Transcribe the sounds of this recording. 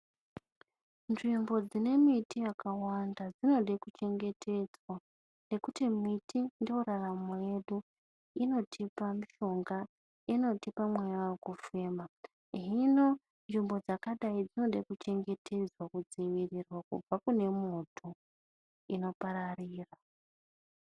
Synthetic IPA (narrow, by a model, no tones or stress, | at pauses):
nʐimbo̞d͡zine̞mitijakawandad͡zino̞ɗekut͡ʃe̞ŋɡe̞tʰe̞d͡zwa | ne̞kutimitʰindio̞ɾaramoje̞ɗu | ino̞tʰipamiʃo̞ŋɡa | ino̞tipamwejaokufe̞ːma | ɦino̞ | nʐimbo̞d͡zakaɗaid͡zino̞ɗakut͡ʃe̞ŋɡe̞tʰe̞d͡zwakud͡ziʋirirwakṵb͡vakune̞motʰu | ino̞paɾariːra